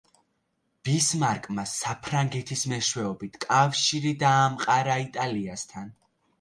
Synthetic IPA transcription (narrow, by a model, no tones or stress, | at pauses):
b̥ismaɾkʼmasapʰɾaŋɡɛt̪ʰismɛʃwɛɔbit̪ʰkʼafʃiɾid̪aːmqʼaɾait̪ʼaliast̪ʰan